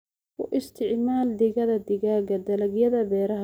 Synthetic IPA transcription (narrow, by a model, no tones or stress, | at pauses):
wʊʔɪst̪ʰɪʕmaːld̪ɪɣɐðɐd̪ɪɣaːɡɐd̪ɐlɐɡjɐðɐbɛːɾɐɦɐ